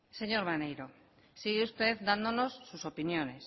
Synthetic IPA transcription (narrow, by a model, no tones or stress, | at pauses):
seɲoɾmanejɾo | siɣeust̪eðd̪and̪ono̞sːuso̞pinjone̞s